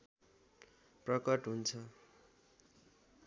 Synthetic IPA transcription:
prʌkʌʈɦunt͡sʰʌ

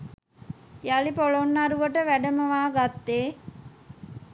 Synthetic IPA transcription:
jalipolonːaɾuʋəʈəʋæɖəməʋaːɡat̪ːeː

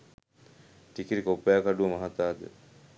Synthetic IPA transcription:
ʈikiɾikopːəjakaɖuʋɐmɐɦat̪aːd̪ə̰

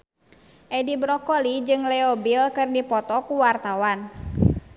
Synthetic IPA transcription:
ʔɛdibɾɔkɔlid͡ʒɨŋlɛɔbilkɨrdipɔt̪ɔkuwart̪awan

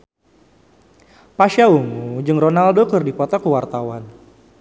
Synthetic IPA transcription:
paʃauŋud͡ʒɨŋrɔnaldokərdipɔt̪ɔkuwart̪awan

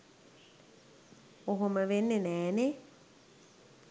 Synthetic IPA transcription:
oɦoməʋenːenɛːne

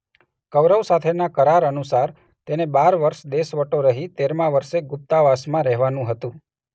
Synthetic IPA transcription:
kəʋɾəʋsat̪ʰenakəɾaɾənusaɾ | t̪enebaɾʋəɾʃd̪eʃʋəʈoɾəɦit̪eɾmãʋəɾʃeɡʊp̚t̪aʋasmãɾɛɦʋanũɦət̪ũ

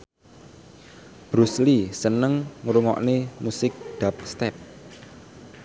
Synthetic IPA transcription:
b̥ɾuslisənəŋŋɾuŋɔ̰ʔnemusɪk̚d̪̥a̤p̚st̪ɛp̚

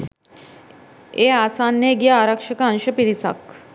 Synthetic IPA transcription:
easanːeɡjaaɾakʂəkaənɕəpiɾisa̰k

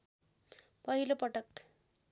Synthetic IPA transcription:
pʌɦilopʌʈʌk

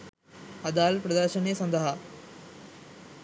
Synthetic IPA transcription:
ɐd̪aːlpɾɐd̪əɾʃənjesɐ̃nd̪əɦa

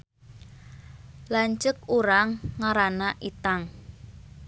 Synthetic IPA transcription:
laɲt͡ʃək̚uɾaŋːaɾanaʔit̪aŋ

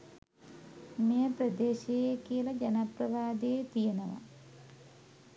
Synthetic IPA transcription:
mejɐprɐd̪eːɕejekijlɐd͡ʑɐnɐprɐʋaːd̪eet̪ijɐnɐʋɐ̰

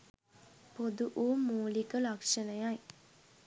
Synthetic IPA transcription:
pod̪uʔuːmuːlikəlakʂənəjaj

